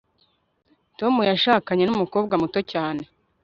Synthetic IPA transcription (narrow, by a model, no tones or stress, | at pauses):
to̞mujaʃaːkaɲe̞numuko̞ːb̚ɡamuto̞caːne̞